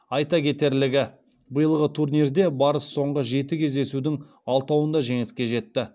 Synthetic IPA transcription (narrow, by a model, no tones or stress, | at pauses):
ɑjt̪ɑkʲʰe̞t̪e̞ɾlɪɡʲɪ | bəjəlˠʁət̪ʰurnʲird̪e̞bɑɾəsːo̞ɴʁəʒe̞t̪ɪkʲʰe̞zd̪e̞sud̪ɪŋ | ɑlˠt̪ɑwənd̪ɑʒe̞ŋɪskʲe̞ʒe̞t̪ːɪ